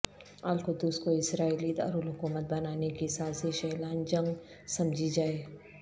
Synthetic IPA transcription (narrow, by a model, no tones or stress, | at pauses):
aːlkʊd̪ːʊskoɪsɾaːiːlid̪a̰ːɾulɦʊkuːmət̪̚bɐnaːnekisaːsiʃɛɦlaːnd͡ʒɐ̃ŋɡ | sɐmd͡ʒʱid͡ʒaːeː